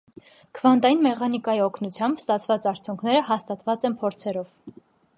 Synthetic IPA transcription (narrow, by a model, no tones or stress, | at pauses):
kʰəvɑnt̪ɑjinmɛχɑnikɑjiɔkʰnut͡sʰjɑmbst̪ɑt͡sʰvɑt͡sɑɾt͡sʰjuŋkʰnɛɾəhɑst̪ɑt̪vɑt͡sɛnpʰɔɾt͡sʰɛɾɔv